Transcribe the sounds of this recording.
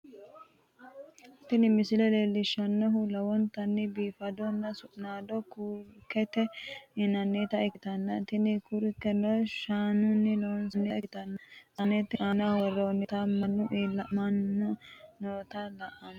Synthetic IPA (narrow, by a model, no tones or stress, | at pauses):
t̪ːɪnɪmɪsɪlɛleːlːɪʃːɐnːɐɦʊlɐwɔnt̪ɐnːɪbiːfɐd̪ɔnːɐsʊʔnaːd̪ɔkuɾkːɛt̪ɛɪnɐnːeːt̪ɐɪkɪt̪ɐnːɐt̪ɪnɪkʊɾkːɛnɔʃaːnʊnːɪlowɔnsɐnːɛɪɪt̪ɐnːɐʔɐnːɛt̪ɛʔanɐwɔrːonːɪt̪ɐmɐnːʊʔiːlɐmɐnːʊnoːt̪ɐlɐʔɐn